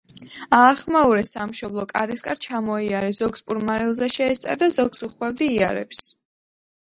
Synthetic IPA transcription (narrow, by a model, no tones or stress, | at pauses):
aːχmauɾɛsamʃɔblˠɔkʼaɾiskʼaɾt͡ʃʰamɔiaɾɛz̥ɔɡspʼuɾmaɾilˠzɛʃɛːst̪sʼa̰ɾd̪azɔɡsuχwɛvd̪iːa̰ɾɛ̰ps